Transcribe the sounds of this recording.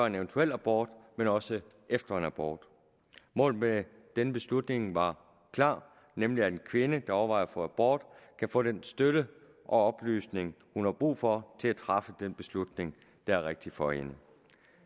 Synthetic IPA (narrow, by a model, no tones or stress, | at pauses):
ɒe̝neʋənt͡sʰuel̰æb̥ɒ̰ːd̥menɒ̽sə | ʔefd̥ɐe̝næb̥ɒ̰ːd̥ | mɔ̰̽ːl̩me | d̥enəb̥e̝slud̥ne̝ŋʋɑ̈ | kʰlɑ̰̈ː | nemliæ̥enkʰʋe̝nəd̥ɑ̈ɒʋɑ̈ɪ̰ɐfɒ̽æb̥ɒ̰ːd̥kʰæfɔ̰ːd̥ensd̥øɾ̥ə | ʔɒ̽ɒ̽b̥ly̰ːsne̝ŋ | hunhɑ̈b̥ʁṵːfɒ̽t͡sʰe̝læt͡sʰʁɑ̈fəd̥enb̥e̝slud̥ne̝ŋ | d̥ɑ̈æɐʁeɡ̥̚d̥ifɒ̽ḛnə